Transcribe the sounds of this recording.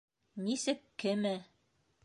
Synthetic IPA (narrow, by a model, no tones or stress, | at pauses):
nisɘkːɘ̆mɘ